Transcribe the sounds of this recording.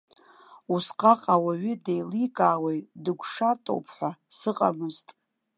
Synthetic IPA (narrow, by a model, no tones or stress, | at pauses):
usqʼaqʼawaɥidejlikʼaːwejʼdɨɡʷʂatʼo̰wpʰħʷasɨqʼa̰mɨztʼ